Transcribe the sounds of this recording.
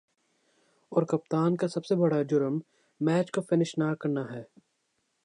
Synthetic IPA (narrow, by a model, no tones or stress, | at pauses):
ɔːɾkɐp̚t̪aːnkasɐbsebɐɽad͡ʒʊɾəmː | ɛːt͡ʃkofɪnɪʃnaːɾkɐɾnaɦɛː